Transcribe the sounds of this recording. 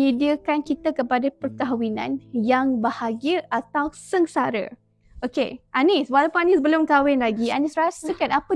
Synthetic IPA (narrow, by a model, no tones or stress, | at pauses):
idiəkankit̪akəpadapərt̪aɦwinã̰njaŋbahaɡiəat̪awsəŋsaɾə̰ | ʔokeʔaniswalawpʊnanisbəlʊmkawɪnlaɡianisɾasəkanapə